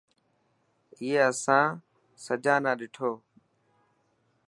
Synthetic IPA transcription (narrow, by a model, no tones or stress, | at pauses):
ɪːeːəsãː | səd͡ʒãːnãːɗɪʈʰoː